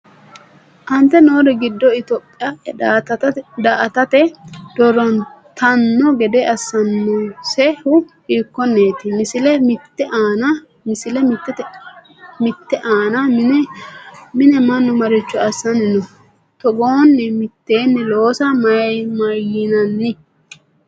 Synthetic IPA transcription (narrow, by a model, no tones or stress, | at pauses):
ʔɐnt̪ːɛnoːd̪ɛɡɪd̪ːɔɪt̪oːpʼːɪja | d̪aʔɐt̪ɐt̪ɛd̪̥ɔɾɔnt̪ʰɐnːɔɡɛd̪ɛʔɐsːɐnːɔsɛhʊ | hiːkːɔnːeːt̪ɪmɪsɪlɛmɪt̪ːɛaːnɐ | mɪsɪlɛmɪt̪ːɛt̪ɛ | mɪt̪ːɛʔaːnɐ | mɪnɛmɐnːɔmɐɾɪt͡ʃːɔɐsːɐnɪnɔ | t̪ɔɡoːnːɛmɪt̪ːeːnːɛloːsɐmɐmɐjɪnɐnːɪ